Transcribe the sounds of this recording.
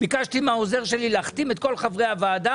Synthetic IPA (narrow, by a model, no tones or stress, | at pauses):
bikaʃt̪imao̞ze̞ʁʃe̞lilaχt̪imet̪̚ko̞lχavʁeavaːd̪a